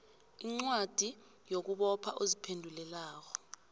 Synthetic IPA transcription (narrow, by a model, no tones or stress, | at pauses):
iŋ͡ǀwad̥ʱi | jok̬uɓɔpʰaʔozipʰendʱulɛlaːk̬ɔ